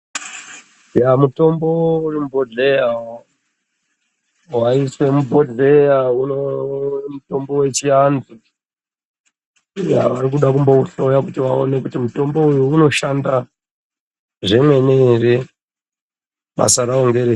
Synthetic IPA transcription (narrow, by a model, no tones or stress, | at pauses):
jamuto̞mbourimubʱo̞ɮe̞jao | waiswe̞mubʱo̞d͡ɮe̞jaunomuto̞mbo̞we̞t͡ʃiand͡zu | ja̰ʋaɾikuɗakumbouɬojakutiʋaone̞kutimuto̞mbo̞ujuːno̞ʃanda | ʐemwe̞nere | ɓa̰saɾaoŋɡeɾe